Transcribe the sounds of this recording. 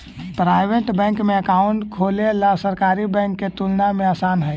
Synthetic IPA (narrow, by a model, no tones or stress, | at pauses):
pɾaɪbeʈbɛ̃ŋkmeəkauɳʈkʰolelasəɾkaɾibɛ̃ŋkːet̪ulnameasanɦəj